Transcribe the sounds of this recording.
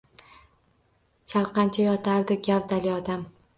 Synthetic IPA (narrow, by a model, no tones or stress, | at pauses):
t͡ʃʰalˠqɑnt͡ʃʰajɒt̪ʰaɾd̪ɪɡʲavd̪alɪɒd̪am